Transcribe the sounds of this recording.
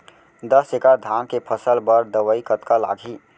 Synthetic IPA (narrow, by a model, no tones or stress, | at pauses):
d̪əsekaɾd̪ʱamkepʰəsəlbəɾd̪əʋəikət̪kala̰ɡʱi